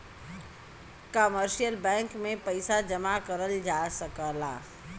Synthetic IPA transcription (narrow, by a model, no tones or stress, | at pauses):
kəməɾʃijəlbɛ̃ŋkmepəɪsad͡ʒəmakəɾəld͡ʒasəkəla